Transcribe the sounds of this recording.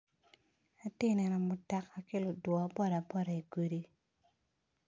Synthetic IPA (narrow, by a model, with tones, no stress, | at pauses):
a˦tɪ˦nɛ˨nɔ˨mʊ˨ta˨ka˨kɪ˦lʊ˨dwɔ˨˦bɔ˦ɾa˨bɔ˦ɾa˨i˨ɡwe˦di˦